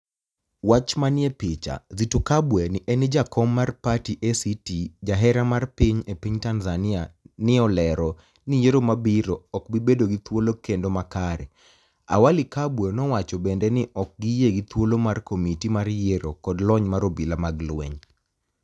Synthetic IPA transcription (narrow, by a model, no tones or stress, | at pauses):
wat͡ʃmanɪepɪt͡ʃa̰zitokabwɛnɪʔɛnɪd͡ʒakɔmːarpatiʔɛsitid͡ʒaɦɛɾamarpiɲepiɲtanzanɪanɪɔlɛɾɔ | nɪjeɾomabiɾɔɔkbibedoɡɪt̪wolokendomakaɾɛ | a̰walɪkabwɛnɔwat͡ʃɔbɛndɛnɪʔɔk̚ɡijeɡɪt̪wolomarkomitimarjeɾokɔdlɔɲmaɾobilamaɡlwḛɲ